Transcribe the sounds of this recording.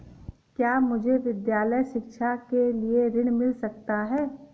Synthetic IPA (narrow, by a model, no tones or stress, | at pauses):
kjaːmʊd͡ʒʱeʋɪd̪jaːləjʃɪkʃakelieɾɪɽ̃mɪlsɐkt̪aɦɛː